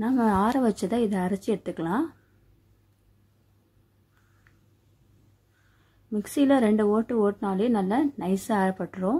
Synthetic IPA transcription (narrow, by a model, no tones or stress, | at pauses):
naːmɐaːɾɐʋɐt͡ʃːɐðãːɪðɐɐɾɐt͡ʃːiɛɽɯt̪ːɯkːɐlãː | mɪksilɐɾɛɳɖɯoːʈːɯoːʈːɯnaːljenɐlːɐnɐɪsɯaːɾɐpːɐʈːɯɾõː